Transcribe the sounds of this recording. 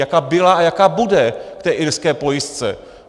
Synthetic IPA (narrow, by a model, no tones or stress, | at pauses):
jakaːbɪlaajakaːbudɛkt̪ɛːʔɪɾskɛːpojɪst͡sɛ̰